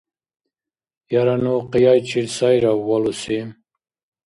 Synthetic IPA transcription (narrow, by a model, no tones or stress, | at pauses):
jaɾanoqijajt͡ʃʰiɾsajɾawːalusim